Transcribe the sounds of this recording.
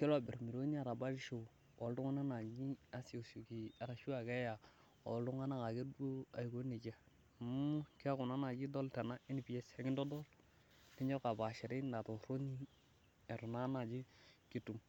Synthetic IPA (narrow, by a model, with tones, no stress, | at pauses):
kɛ˦la˦bɪ˨ɾmi˨ɾo˦ni˦a˨ɾa˨ba˦ɾʃo˨ | o˨ldu˦ŋa˦na˦na˨ɲi˦a˨so˨su˨ki˨a˨ɾa˨ʃu˦a˨ke˦ja˨ | o̰˨lu˦ŋa˦na˦ka˨ɡe˦bo˦a˨ɡo˨˦ne˨d͡ʒa˦˨ | mu˦ki˦a˦kʊ˨na˦na˨d͡ʒi˦dɔ˦lta˨na˦e˦n˨pi˨ɛ˦sɛ˨˦ɡɪ˦ndɔ˦dɔ˦l | ni˦ɲɔ˦ka˨ba˨ʃɛ˨ɾi˦nda˨to˨ɾo˦ni˦ | ɛ˨ɾu˨na˦na˨d͡ʒi˦ki˨tu˨m